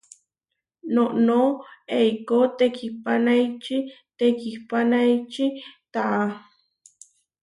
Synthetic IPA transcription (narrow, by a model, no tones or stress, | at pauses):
noʔnoejkot̪ekipanajt͡ʃi | t̪ekihpanajt͡ʃit̪aʔa